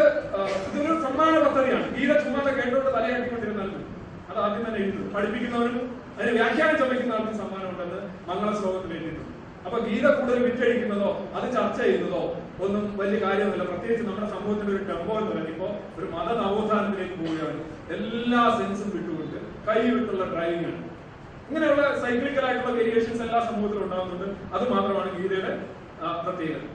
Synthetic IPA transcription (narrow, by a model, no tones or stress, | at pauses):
ɐðiʋɐnːɐɾsɐmːaːnɐpɐt̪ʰːɐðijaːɳɨʋiːðɐt͡ɕumːaːt̪ːeke̞ːʈːɐoɽɖɨt̪ɐlɐjaɐʈːikːpːɐɳːiɾɐnɐlɐnːu | ɐðɨaːd̪jɐmt̪ɐnːeiɾut̪ːuðumpɐɽipːikʲːunːɐʋɐɾum | ɐðinɨʋjaːkʰjaːɐt͡ɕɐmːikʲːunːaɐːɭɐt̪ːinsɐmːaːnɐmuɳɖenːɨ | nɐŋːɐɭeslo̞ːɡɐt̪ːilʋeːɳɖiʈːuɳːɨ | ɐpːoːʋiːðɐkuːɽuðelʋitːɐɻikʲːunːɐðo̞ːɐðɨt͡ɕɐrt͡ɕːɐjɐjunːɐðo̞ː | o̞nːumʋɐlijɐkaːɾjɐmilːɐprɐt̪jeːɡit͡ɕːɨnɐmːuɽe̞sɐmbʱuːhɐt̪ːileo̞ɾuʈe̞mbo̞ːenːɨʋɐnːipːo̞ː | o̞ɾumɐðɐnɐʋod̪ʱaːnɐt̪ːine̞ːkːɨpoːjijaːɳɨ | e̞lːaːse̞nsɨmʋiʈːuɣoɖɨ | kɐjiuʈːuɭːɐɖrɐjinjaːɳɨ̰ | iŋːɐne̞juɭːɐsɐjklikʲːɐlaːjiʈːuɭːɐkeɾijeːʂɐnselːaːsɐmbuːhɐt̪ːiluɳɖaːɣunːuɳɖɨɐðɨmaːt̪rɐmaːɳɨʋiːðɐjuɽe̞ | prɐt̪jeːɣɐ̰m